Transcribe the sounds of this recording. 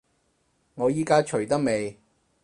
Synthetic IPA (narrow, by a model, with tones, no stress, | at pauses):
ŋɔː˨˧jiː˥kaː˥t͡ʃʰɵ˨˩ɥt̪ɐ˥k̚me˨˧j